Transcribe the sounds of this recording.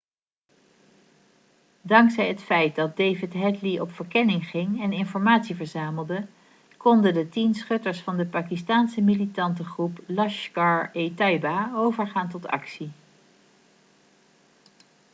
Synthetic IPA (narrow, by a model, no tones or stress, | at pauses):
dɑŋksɛjɦətfɛjt̚dɑt̚dejvɪtɦɛtliɔpfəɹkɛnɪŋχɪŋɛnɪnfɔɹmaːtsivəɹzaːməlˠdə | kɔndəndətinsχɵtəɹsfɑndəpaːkistaːnsəmilitɑntəχruplɑʃkɑɹetɑjbaowvəɹχaːntɔtɑ̰ksi